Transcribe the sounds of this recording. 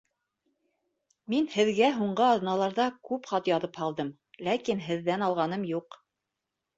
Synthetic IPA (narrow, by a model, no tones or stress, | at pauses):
minhɘ̆ðɡæɦuɴɢɤɑðnɑlˠɑɾðɑkʉpχɑt̪jɑðɤphɑlˠd̪ɤm | lækinɦɘ̆ðːænɑlˠʁɑnɤmjuq